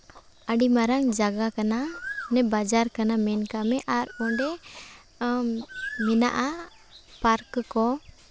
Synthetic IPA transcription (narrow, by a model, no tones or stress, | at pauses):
əɖimaɾaŋd͡ʒaɡakananɛbad͡ʒaɾkanamɛnkamɛʔaɾɔɖɛ | mɛna̰ʔa | paɾkkɔ